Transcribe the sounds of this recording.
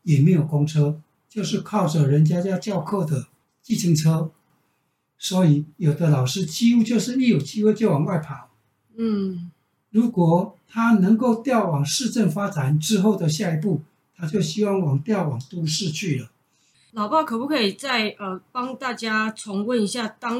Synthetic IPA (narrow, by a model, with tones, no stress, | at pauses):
jɛ˨˩me˧˥ɪjo˨˩ʊko˥ŋʈ͡ʂʰɤ˥ | t͡ɕjo˥˧ʊʂɻ̩˥˧kʰɑ˥˩ʊʈ͡ʂə˩ɻə˧˥nt͡ɕja˥t͡ɕja˥t͡ɕjɑ˥˧ʊkʰɤ˥˩d̪ə˩ | t͡ɕi˥˩t͡ɕʰi˧˥ŋʈ͡ʂʰɤ˥ | swɔ˧˥i˨˦jo˨˩ʊd̪ə˦lɑ˨˩ʊʂɻ̩˥t͡ɕi˥u˥t͡ɕjo˥˧ʊʂɻ̩˥˧ni˥˩jo˨˩ʊt͡ɕi˥xwe˥˧ɪt͡ɕjo˥˩ʊwɑ˨˩ŋwa˥˩ɪpʰa˨˦ | n̩˥˩ | ɻu˧˥kwɔ˨˩t̪ʰa˥nə˧˥ŋko˥˩ʊt̪jɑ˥˩ʊwɑ˨˩ŋʂɻ̩˥˧ʈ͡ʂə˥˩ŋfa˥ʈ͡ʂa˨˩˦nʈ͡ʂɻ̩˥xo˥˩ʊd̪ə˩ɕja˥˧i˧˥pu˥˩ | t̪ʰa˥t͡ɕjo˥˩ʊɕi˥wɑ˥˩ŋwɑ˨˩ŋt̪jɑ˥˩ʊwɑ˨˩ŋt̪u˥ʂɻ̩˥˧t͡ɕʰy˥˩lə˩ | lɑ˨ʊpɑ˥˩ʊkʰɤ˨˩pu˥˩kʰɤ˧˥i˨˩t͡sa˥˩ɪʔə˨˩pɑ˥ŋt̪a˥˩t͡ɕja˥ʈ͡ʂʰɔ˧˥ŋwə˥˨ni˧˥ɕja˥˩t̪ɑ˥ŋ